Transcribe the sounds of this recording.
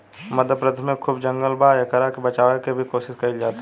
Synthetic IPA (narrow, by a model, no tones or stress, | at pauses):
mɐd̪ʱpɾəd̪mẽkʰʊbd͡ʒə̃ŋɡəlbaːjɐkəɾakebɐt͡ʃaːʋekebʱikoːʃɪskɐid͡ʒaːt̪ː